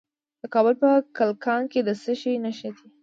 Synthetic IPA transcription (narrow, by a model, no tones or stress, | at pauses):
d̪̥əkɑbəlpəkalkɑnked̪əsəʃinaʃad̪i